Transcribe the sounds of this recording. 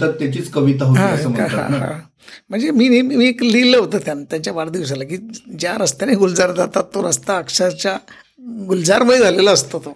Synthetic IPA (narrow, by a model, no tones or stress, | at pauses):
t̪ət̪ːjat͡ɕiːt͡skəʋit̪aɦotɦaiəsəməɦaã̰ɦã̰ | m̤əɳd͡zemiːnemiːekliləɦot̪əːt̪jant̪jaɲt͡ɕjabaɽd̪iʋs̬alakiːd͡ʑjaɾəst̪eniɡuld͡zaɾd͡zʱat̪at̪ːoɾəst̪aːkʂat͡ɕja | ɡuld͡zaɾməjd͡zʱaleləəst̪ot̪o